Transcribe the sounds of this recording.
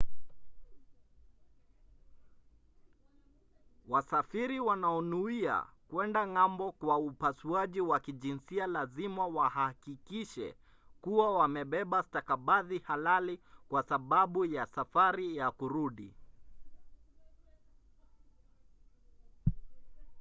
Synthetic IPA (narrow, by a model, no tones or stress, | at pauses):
wasafiɾiwanaɔnuia̰kwɛndaŋambɔkwaupasuaʄiwakiʄinsialazimawahakikiʃɛ̰ | kuwawamɛɓɛɓastakaɓaðihalalikwasaɓaɓujasafaɾijakuɾuɗḭ